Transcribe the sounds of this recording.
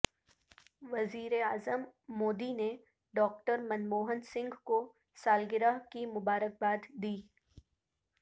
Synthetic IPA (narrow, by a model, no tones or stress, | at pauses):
ʋɐziːɾeaːzəmːoːd̪ine | ɖɔːk̚ʈəɾmɐnmoːɦənsɪ̃ŋɡko | saːlɡɪɾakimʊbaːɾək̚baːd̪d̪iː